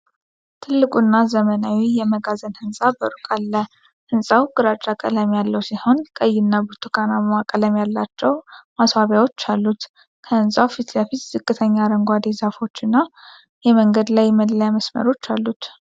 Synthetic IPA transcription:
t̪ʰɨlːɨkʼunːazəmənawijɛməɡazənhɨnsʼabəɾukʼalːə | hɨnsʼawɡɨɾat͡ʃʼːakʼələmjalːəwsiho̞nkʼəjːɪnːabɨɾt̪ʰukʰanamakʼələmjalːat͡ʃːɛwmaswaβjawo̞t͡ʃːalːut̪ | kʰəhɨnsʼawfit̪ʰlafit̪z̥ɨkʼːɨt̪ʰəɲːaɾəŋɡʷad̪ezafo̞t͡ʃːɨnːa | jɛməŋɡəd̪lajməd̪ljaməsmə̰ɾo̞t͡ʃːalːut̪

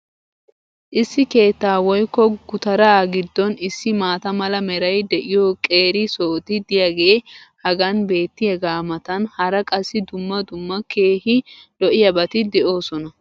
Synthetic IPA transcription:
ʔɪsːɪke̞ːt̪ːaːwɔjkːɔɡʊt̪ɐɾɐɡɪd̪ːɔnɪsːɪmaːt̪ɐmɐlɐmɛɾɐjd̪ɛʔɪjɔkʼe̞ːɾɪsoːt̪ɪd̪ɪjɐɡeːhɐɡɐnbe̞ːt̪ːɪɛɡaːmɐt̪ɐnhɐɾɐkʼɐsːɪd̪ʊmːɐd̪ʊmːɐke̞ːhɪlɔʔɪjɐbɐt̪ɪd̪ɛʔo̞ːsɔnɐ

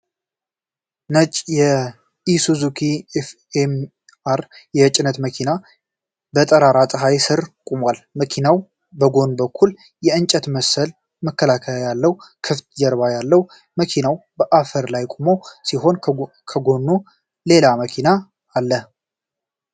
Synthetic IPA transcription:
nət͡ʃʼjɛ | isuzukʰif | em | aɾjɛt͡ʃʼɪnət̪məkʰina | bət̪ʼəɾaɾat̪ʼəɦajsɨɾkʼumwalməkʰinaw | bəɡo̞nbəkʰːul | jɛɨnt͡ʃʼət̪məsəl | məkːəlakʰəjalːəwkʰɨft̪d͡ʒəɾβajalːəw | məkʰinawbəʔafəɾlajkʼumo̞siɦo̞n | kʰəɡo̞nːu | le̞laməkʰinaː | lːə

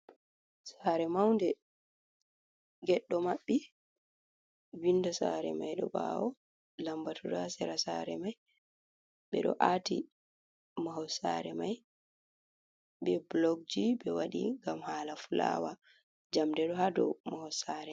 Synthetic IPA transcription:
saɾɛmawndɛ | ɡɛɗːɔmaɓːi | windasa̰ɾɛ̰majɗɔɓa̰ːwɔ | lambatʰudasɛɾasaɾɛ̰maj | ɓɛɗɔ̰ʔati | maɦɔsa̰ɾɛmaj | bɛblɔɡ̚d͡ʒiɓɛwaɗḭŋɡamhaːlafula̰wa | d͡ʒamdɛɗɔhadɔ̰mahɔsaɾɛ

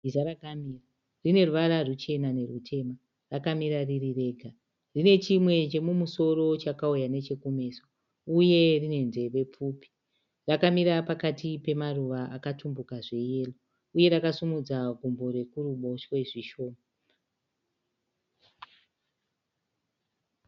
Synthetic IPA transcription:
izaɾakamira | rine̞ruʋaɾarut͡ʃe̞nane̞rutʰe̞ma | rakamiɾaririre̞ːɡʱa | rine̞t͡ʃimwe̞t͡ʃe̞mumuso̞ro̞t͡ʃakaujane̞t͡ʃe̞kume̞ːso | uje̞rine̞nde̞re̞p͡fuːpi̥ | rakamiɾapakatipe̞maruʋaʔakatumbukaʐe̞je̞ːlo | uje̞ɾakasumud͡zaɡʱumbo̞rwe̞kuruɓo̞ʃweʐiʃo̞ːma

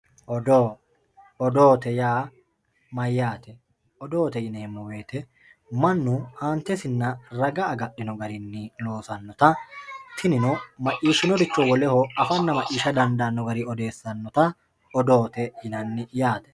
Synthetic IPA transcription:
ʔɔd̪oː | ɔd̪oːt̪ɛjaː | mɐjːaːt̪ɛ | ɔd̪oːt̪ɛjɪneːmːɔwe̞ːt̪ɛ | mɐnːʊhaːnt̪ɛsɪnːɐɾɐɡɐːɡɐɗːɪnɔɡɐɾɪnːɪlo̞ːsɐnːɔt̪ɐt̪ʰɪnɪnɔmɐʔiːʃːɪnɔd̪ɪt͡ʃːɔwɔlɛhɔɐfɐnːɐmɐʔiːʃɐd̪ɐnd̪ɐnːɔɡɐɾɪɔd̪e̞ːsːɐnːɔt̪ɐ | ɔd̪oːt̪ɛjɪnɐnːɪjaːt̪ɛ̥

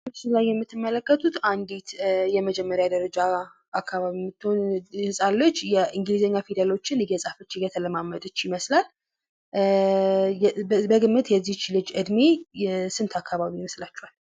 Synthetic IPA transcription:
ɨsilajːɛmːɨt̪ːɨmːələkːət̪ʰut̪and̪et̪jɛməd͡ʒɛmːəɾjad̪əɾəd͡ʒa | akːaβaβimːɨt̪ːhonhɨsʼalːot͡ʃːjɛʔɨŋɡlizəɲːafid̪əlo̞t͡ʃːɪnɡəsʼafət͡ʃːɪɡət̪ʰələmamːəd̪ɨt͡ʃːjɪməslal | bəɡɨmːɨt̪jɛzːiht͡ʃːilɨd͡ʒɨd̪mesɨnt̪ʰakʰːaβaβijməslat͡ʃːɛhal

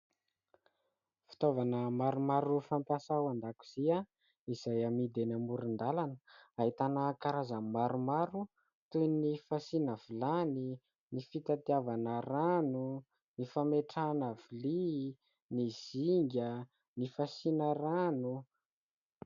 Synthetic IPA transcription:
fi̥t̪ovanəmaɾumaɾufampjasawand̪aku̥z̥ia | iz̥ajamid̪enamuɾind̪alanə̥aɦit̪anəkaɾazəmaɾumaɾu | t̪ujnifasinavilani | nifit̪at̪iavanəɾanu | nifameʈ͡ʂanavili | niz̥iŋɡʲə | nifasinəranu

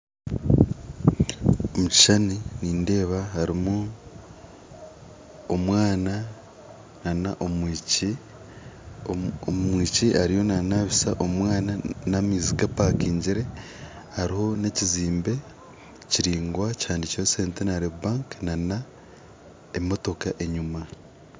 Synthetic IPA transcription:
omuci̥ʃaniniːnde̞ːβahaɾimu | omwaːna | nanaʔomici | miːciʔaɾijo̞nanaβisaʔo̞mwaːnanamiːziɡapakiːɲɟiɾe̞ | haɾiho̞ne̞ciziːmbe̞ | ciɾiːŋɡwacaːndicoseːntenaɾebaːŋknana | emo̞to̞kaʔe̞ɲuma

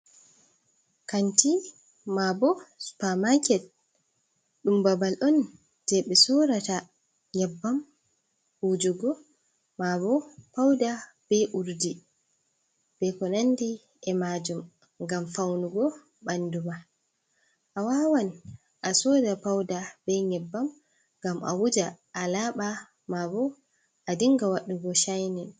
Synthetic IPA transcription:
kanti | mabɔspamakɛl | ɗumbabalʔɔn | d̥ɛɓɛsɔɾata | ɲɛbːam | hud͡ʒuɡɔ | mabɔpawda | b̥ɛʔuɾdi | b̥ɛkɔnandi | ɛmad͡ʒum | ŋɡamfawnuɡɔ | ɓanduma | ʔawawan | ʔasɔdapawdabɛɲɛbːam | ŋɡamʔa̰wud͡ʒaʔːlaːɓa | mabɔ | ʔadiŋɡawaɗːuɡɔʃajnɛn

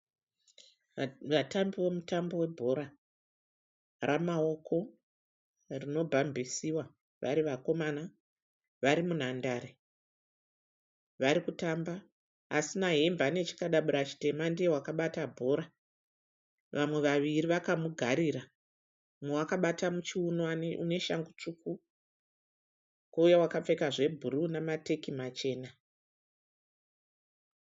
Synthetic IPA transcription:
ʋatambiwo̞mutambo̞we̞bʱo̞ɾa | ramao̞kʰo̞ | rino̞bʱambʱisiwa | ʋa̰ɾiʋako̞mana | ʋaɾimun̤andaɾe | ʋaɾikutamba | asinaɦembane̞t͡ʃi̥kaɗaɓuɾat͡ʃi̥te̞mandiewakaɓatabʱo̞ːɾa | ʋʔamwe̞ʋaʋiriʋakamuɡʱaɾiɾa | mewakaɓatamut͡ʃiunwanṵne̞ʃaŋɡut͡ʂuku | kaujawakap͡fe̞kaʐe̞bʱuɾunamate̞kimat͡ʃe̞ːna

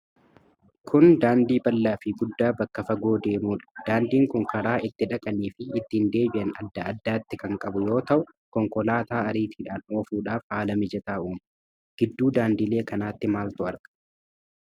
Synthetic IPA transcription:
kʰʊnd̪aːnd̪iːbɐlːaːfɪɡʊd̪ːaːbɐkːɐfɐɡoːd̪e̞ːmuːᶑɐ̥d̪̥aːnd̪iːŋkʊŋkɐɾaːʔɪt̪ːɪᶑɐkʼɐniːfɪːt̪ːɪɪnd̪e̞ːbɪʔɐnɐd̪ːɐɐd̪ːaːt̪ːɪkɐŋkʼɐbʊjo̞ːt̪ɐʔʊ | kɔŋkɔlaːt̪aːɐɾiːt̪iːᶑaːno̞ːfuːᶑaːfhaːlɐmɪd͡ʒɛt̪aːʔuːm | ɡ̥ɪd̪ːuːd̪aːnd̪iːle̞ːkɐnaːt̪ːɪmaːlt̪ʊɐɾkɐ̥

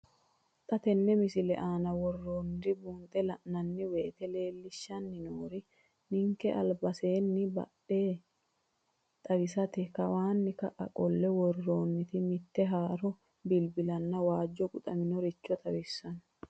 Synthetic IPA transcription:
t̪ʼɐt̪ɛnːɛmɪsɪlɛʔaːnɐwɔrːoːnːɪd̪ɪbuːnt̪ʼɛlɐʔnɐnːɪweːt̪ɛle̞ːlːɪʃːɐnːɪnoːɾɪ | nɪŋkːɛʔɐ̰lbɐseːnːɪbɐ̰ɗeː | t̪ʼɐwɪsɐt̪ɛkːɐwaːnːɪkɐʔɐ̰kʼɔlːɛwɔrːoːnːɪt̪ɪmɪt̪ːɛɦaːɾɔ | bɪlbɪlɐnːɐwaːd͡ʒːɔɡʼʊt̪ʼɐmɪnɔɾɪt͡ʃːɔt̪ʼɐwɪsːɐn

